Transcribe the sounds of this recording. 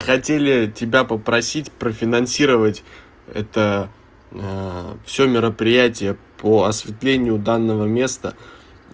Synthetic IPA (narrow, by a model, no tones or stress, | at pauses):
xɐtʲelʲɪtʲɪbʲapəpɾɐsʲitʲpɾəfʲɪnɐnsʲiɾəvətʲ | ɛ̰t̪ə | fsʲomʲɪɾəpɾʲɪjætʲɪjəpʰəɐsvʲɪt̪lʲenʲɪjʊd̪anːəvəmʲe̞st̪ə